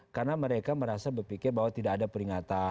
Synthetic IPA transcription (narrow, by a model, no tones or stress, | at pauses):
karnaməɾekaməɾasabərpikɪrbaɦwat̪idaadapəɾiŋat̪a